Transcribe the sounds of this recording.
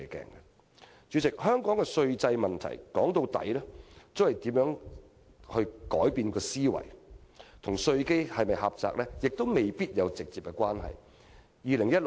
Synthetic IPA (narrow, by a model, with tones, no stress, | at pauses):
kɛ̰ː˨˩ŋɛ˧ | t͡ʃyː˨˧˥t͡sɪ˨k̚hœː˥ŋkɔː˨˥ŋkɛ˧sɵ˧ɥt͡sɐ˧jmɐ˨nt̪ʰɐ̰˨˩jkɔ̰ː˨˥ŋt̪o˧wt̪ɐ̰˨˥jlɛː˥t͡so˥whɐ˨jt̪iː˨˥mjœː˨˥ŋ | hɵ˧ɥkɔː˨˥jpiː˧nkɔː˧siː˥wɐ̰˨˩jt̪ʰʊ˨˩ŋsɵ˧ɥke˥jhɐ˨jmɐ˨jhɐ˨p̚t͡sa̰ː˨k̚lɛ˥jɪ˨k̚t̪o˥wme˨jpiː˥t̚jɐ˨˧wt͡sɪ˨k̚t͡siː˨p̚kɛ˧kwaː˥nɦɐ̰˨j | jiː˨˧lɪ˨˩ŋjɐ˥t̚